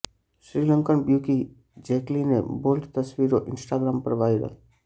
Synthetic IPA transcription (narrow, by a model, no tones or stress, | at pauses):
ʃɾiːlə̃ŋkəɳbjuki | d͡ʒeklinebolʈt̪əsʋiɾoʔɪnsʈaːɡɾaːmpəɾʋajɾə̰l